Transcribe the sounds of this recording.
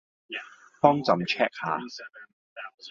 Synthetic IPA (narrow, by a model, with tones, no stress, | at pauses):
fɔː˥ŋt͡sɐ˨˧mt͡ʃʰɛː˥k̚ha̰ː˨˧